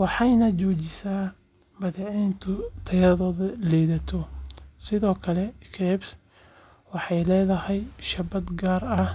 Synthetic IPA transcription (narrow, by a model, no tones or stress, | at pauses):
wɑħɑjnɐt͡ʃɔːt͡ʃɪsaː | bɐðɪʕɛːnt̪ʰʊt̪ʰɐjɐðɔːðɐlɛjðɐt̪ʰɔsɪðɔːkʰɐlɛkʰɛːbs | wɑħɑjlɛːðɐhɛjʃɐbɐd̪ɡaːrɐh